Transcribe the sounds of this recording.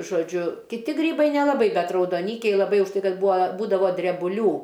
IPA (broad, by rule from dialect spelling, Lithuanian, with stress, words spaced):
ʒoːˈd͡ʒʲʊ kʲɪˈtʲɪ ˈɡrʲiːbɐɪ nʲɛlˠɐˈbɐɪ ˈbʲɛt rɐʊdoːˈnʲiːkʲɛɪ lˠɐˈbɐɪ ʊʃ ˈtɐɪ ˈkɐt ˈbuːɐ ˈbuːdɐʋoː dʲrʲɛbʊˈlʲuː